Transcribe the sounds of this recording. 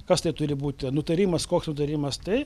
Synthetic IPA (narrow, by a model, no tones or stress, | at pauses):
kɐst̪ɐɪt̪ʊɾʲɪbuːt̪ʲɪnʊt̪ɐɾʲiːmɐskoːksnʊt̪ɐɾʲiːmɐst̪ɐɪ